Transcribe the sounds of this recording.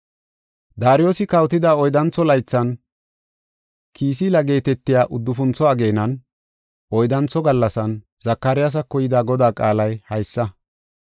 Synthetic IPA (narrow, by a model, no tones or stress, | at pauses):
d̪aːɾɪjo̞ːsɪkɐwt̪ɪd̪aːɔjd̪ɐnt͡sːɔlɐjt͡sːɐn | kʰiːs̬ilɐɡe̞ːt̪ɛt̪ːɪjaːʔʊd̪ːʊfʊnt͡sːɔɐɡe̞ːnɐn | ɔjd̪ɐnt͡sɔɡɐlːɐsɐn | z̥ɐkːɐɾɪjas̬ɐkːɔjɪd̪aːɡɔd̪aːkʼaːlɐjhɐjsːɐ